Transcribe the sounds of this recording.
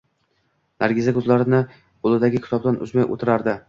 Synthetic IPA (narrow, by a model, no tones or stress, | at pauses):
nʔaɾɡʲɪzakʰɵzlaɾɪnɪ | olˠɪd̪aɡʲɪkʲʰɪ̥t̪ʰɒb̚d̪anʔʊ̰zmajʔo̰t̪ʰɪɾaɾd̪ɪ